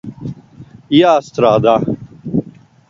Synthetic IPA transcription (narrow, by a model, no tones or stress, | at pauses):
ijaːst̪ɾaːd̪a